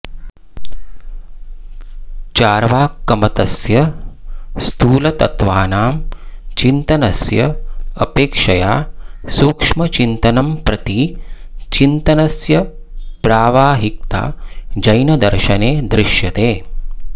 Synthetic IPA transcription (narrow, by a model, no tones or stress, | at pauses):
t͡ʃaːɾʋaːkːɐmɐt̪ɐsjɐ | st̪ʰuːlɐt̪ɐt̪ʋaːnaːmt͡ʃint̪ɐnɐsjɐɐ̰peːkʂɐjaːsuːkʂmɐt͡ʃint̪ɐnɐmpɾɐt̪i | t͡ʃint̪ɐnɐsjɐ | pɾaːʋaːɦik̚t̪a̰ːd͡ʒɐjnɐd̪ɐɾʃɐneːd̪ɾɪʃjɐt̪eː